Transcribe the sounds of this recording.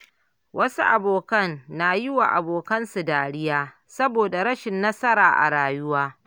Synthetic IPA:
wʔɐ˦su˦ʔa˨boː˨kɐ˦˨nːa˨jɪ˦wa̰˨ʔa̰˨boː˨kɐ˦nsu˨daː˨ɽɪ˦jaː˦ | sɐ˦boː˨da˨ɽɐ˦ʃɪ˨nːɐ˦sɐ˦ɾaː˨ʔa̰˨ɽaː˨jʊ˦waː˦

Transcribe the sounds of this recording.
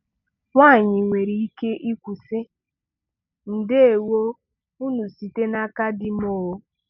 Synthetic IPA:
wʷa˦˨ɲɪ˨ŋʷe˨ɾi˨i˦ke˦ʔi˦kʷu˨sɪ˦ | n̩˨dɪ˦e˨wo˦ | u˦nu˨si˨te˦na˦ka˦dɪ˦m˦o˨o˦

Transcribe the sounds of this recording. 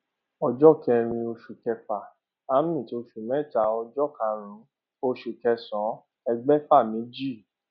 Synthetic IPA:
ɔ˧d͡ʒɔ˦˨kɛ˧ɾ̃ĩ˧o˧ʃu˨kɛ˧fa˨ | a˦mĩ˦˨ti˨˦o˧ʃu˨mɛ˦˨ta˧˦ɔ˧d͡ʒɔ˦˨ka˧˨ɾ̃ũ˨˦ | o˧ʃu˨kɛ˧sɔ̃˨˦ | ɛ˧ɡ͡bɛ˦fa˦˨mĩ˨˦d͡ʒi˦˨

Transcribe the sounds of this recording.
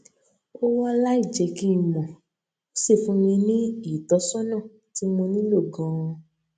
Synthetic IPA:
o˦wɔ˦la˦i˦˨d͡ʒɛ˨˦ki˦˨mɔ̃˨ | o˦se˦˨fũ˨˦nĩ˧nĩ˦i˦˨tɔ˨˦sɔ˦nãː˦˨ | ti˨˦mõ˧nĩ˦lo˦˨ɡɔ̃˨˧˦

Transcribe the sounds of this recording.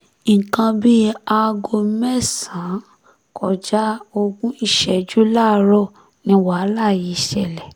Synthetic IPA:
kã˧bi˦a˧ɡo˧mɛ˦˨sã˨˦ | kʰɔ˨d͡ʒa˦o˧ɡũ˦i˦˨ʃɛ˨d͡ʒu˦la˦˨ɾɔ˦˨ | nĩ˧wa˨˦˨la˦˨ji˨˧˦ʃɛ˨lɛ˨

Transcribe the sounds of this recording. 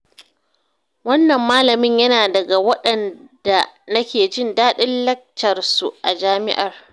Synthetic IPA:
wɐ˦nːɐ˨mːaː˦lɐ˨mɪ˦ɲjɐ˦naː˨dɐ˨ɡa˨wɐ˦ɗɐ˨nd̥a˨nɐ˦kʲeː˨d͡ʒɪ˦˨ndaː˦ɗɪ˦lːɐ˦k̚tɐ˨rsu˨ʔa˨d͡ʒaː˦mɪ̰˦ʔɐ˨r

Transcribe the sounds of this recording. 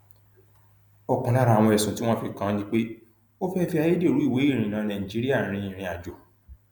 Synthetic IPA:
ɔ˨kũ˨la˦ɾa˧˦a˧˨wɔ̃˧ɛ˨sũ˨ti˦w̃ɔ̃˦fi˧kã˦nĩ˦k͡pe˦ | o˦fɛ˦fi˧a˧je˦de˦˨ɾu˨˦i˦˨we˨˦i˦˨ɾ̃ĩ˨nã˨˦nã˨ĩ˨d͡ʒi˨˦ɾi˦a˦˨ɾ̃ĩ˧˦ĩ˨ɾ̃ĩ˧a˨d͡ʒo˨

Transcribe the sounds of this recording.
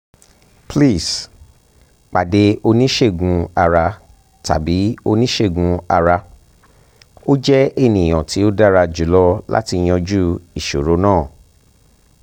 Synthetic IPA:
pli˦˨s | k͡pa˨de˨˦o˧nĩ˦ʃe˦˨ɡũ˧a˧ɾa˧ | ta̰˨bi˨˦o˧nĩ˦ʃe˦˨ɡũ˧a˧ɾa˧ | o˦d͡ʒɛ˦e˦˨nĩ˨j̃ɔ̃˨ti˨˦o˦da˦ɾa˧d͡ʒu˨˦lɔ˦la̰˦ti˧j̃ɔ̃˧d͡ʒu˦i˨ʃo˨ɾo˨˦nãː˦˨

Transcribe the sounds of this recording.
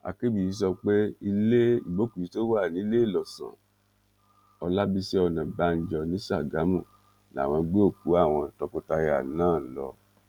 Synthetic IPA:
a̰˨ke˦bi˨i˨˦s̬ɔ˧k͡pe˦i˧le˦i˦˨bo˨˦ku˨i˨˦to˦wa˦˨nĩ˨˦le˦i˦˨lɔ˨sã̰˨ | ɔ˧la˦bi˦sɛ˦ɔ˧nã˨ba˨˦n̩˦d͡ʒɔ˧nĩ˨˦sa˦˨ɡa˨˦mũ˦˨ | n˨a̰˦˨w̃ɔ̃˧ɡ͡be˦o˦˨ku˨˦a˦˨w̃ɔ̃˧tɔ˧ko˧ta˧ja˨˦nãː˦˨n̩˦lɔ̰˧

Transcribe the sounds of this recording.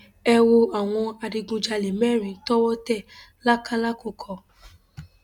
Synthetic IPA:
ɛ˧wo˧a˨w̃ɔ̃˧a˧di˧ɡũ˧d͡ʒa˧le˨mɛ˦˨ɾ̃ĩ˨˦tɔ˦wɔ˦tɛ˦˨ | la˦ka˦la˦ko˦˨kʰɔ˨

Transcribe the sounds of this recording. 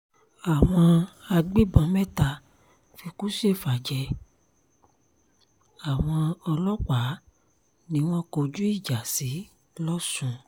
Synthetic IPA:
a˨w̃ɔ̃˧a˧ɡ͡bi˦bɔ̃˧mɛ̃˦ta˧ | fi˧ku˦ʃe˦˨fa˨d͡ʒɛ˧˦ | a˨w̃ɔ̃˧ɔ˧lɔ˦k͡pa˨˦ | nĩ˨˦w̃ɔ̃˦ko˧d͡ʒu˦i˦˨d͡ʒa˨si˨˦ | lɔ˦sũ˦˧

